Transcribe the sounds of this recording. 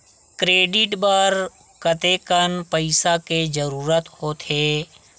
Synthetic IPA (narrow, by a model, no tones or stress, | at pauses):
kɾeːɖɪʈbəɾ | kət̪ekənpəɪsaked͡ʒəɾuːɾət̪hot̪ʰeː